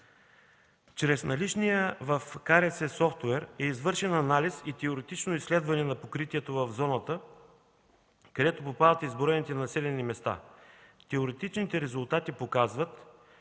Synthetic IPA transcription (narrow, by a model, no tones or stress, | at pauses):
t͡ʃɾɛsnɐlit͡ʃnijəvɐfkaɾɛsɛsɔft̪wɛɾɛizvɤɾʃɛnɐnalisit̪ɛoɾɛt̪it͡ʃnoislɛd̪vɐnɛnɐpokɾit̪iɛt̪ovɐvzɔnət̪ə | kɐd̪ɛt̪opopad̪ət̪izboɾɛnit̪ɛnɐsilɛnimɛst̪a̰t̪ːɛoɾɛt̪it͡ʃnit̪ɛɾɛzʊlˠt̪at̪ipokazvət̪